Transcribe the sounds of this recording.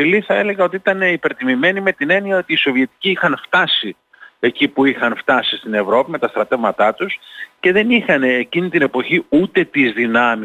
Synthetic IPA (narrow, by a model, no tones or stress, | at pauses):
iliθɐe̞le̞ɣɐot̪iit̪ɐne̞ipe̞ɾt̪imime̞nime̞t̪ine̞niɐo̞t̪iːso̞vie̞t̪i̥ciixɐnft̪ɐsi | e̞cipuixɐnft̪ɐsist̪ine̞vɾo̞pime̞t̪ɐst̪ɾɐt̪e̞vmɐt̪ɐt̪usce̞ðe̞nixɐneːcinit̪ine̞po̞çiut̪e̞t̪izðinɐmi